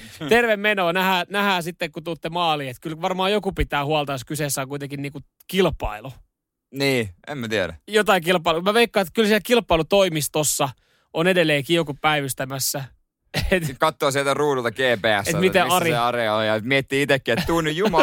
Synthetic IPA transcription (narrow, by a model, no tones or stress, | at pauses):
t̪erʋemmenoːnæhæːnæhæːsit̪ːekkut̪ut̪ːemɑːliːet̪kylʋɑrmɑːjokupit̪æːhuɑlt̪ɑjoskyseːsːæːŋkuit̪eŋkinniːku | kilpɑ̰ilu | niːḛmmæt̪iæɾæ̰jot̪ɑikilpˑɑilumæʋeikːɑːet̪kylsiɛlkilpːˑɑilut̪oimist̪osːɑ | onedelːeːkiokuppæiʋyst̪æmæsːæ | et̪kɑt̪ːoːsielt̪æruːnult̪ɑkeːpeæ̰setːæmieɑriɑreojɑmiet̪ːiːit̪ekːiett̪uːnːyjjumɑ